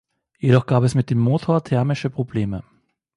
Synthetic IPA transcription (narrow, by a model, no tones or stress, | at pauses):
jeɾɔχɡ̥aːpɛsmɪt̚d̥eːmːoːtʰoːɐtʰɛɐmɪʃəpʁ̥obleːmə